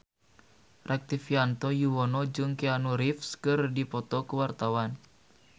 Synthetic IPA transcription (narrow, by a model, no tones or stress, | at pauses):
rak̚t̪ifiant̪ɔjuwɔnɔd͡ʒɨŋkianuɾifskɨrdipɔt̪ɔkəwart̪awan